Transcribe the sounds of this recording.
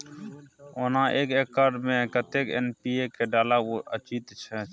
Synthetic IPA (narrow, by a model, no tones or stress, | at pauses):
oːnãːʔeːkeːkːaːɾɖmẽkət̪ekḛnpiːekeɖaːlaʋoːʔət͡ʃiːt̪t͡ʃʰɛ